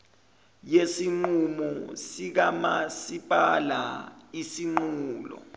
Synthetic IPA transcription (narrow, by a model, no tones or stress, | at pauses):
jesiŋ͡ǃumɔsik̬amasipʼala̰isiŋ͡ǃuːlɔ̰